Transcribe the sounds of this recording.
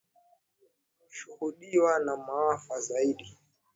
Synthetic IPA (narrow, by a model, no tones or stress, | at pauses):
ʃuhuɗiwanamawafazaiɗi